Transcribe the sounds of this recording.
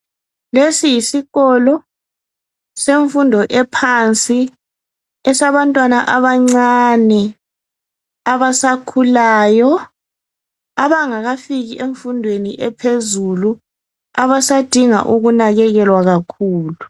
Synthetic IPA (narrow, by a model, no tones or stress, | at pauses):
lesijisiɣɔlɔ | seɱfundʱɔʔɛpʰant͡sʼi | ɛsaβantʼwanaʔaβaŋ͡ǀanɛ | aβasakʰulaːjɔ | aβaŋaɣafiɣiʔeɱfundʱweniʔɛpʰezulu | aβasad̥ʱiŋa̰ʔuɣunaɣɛɣɛlwaɣakʰuːlu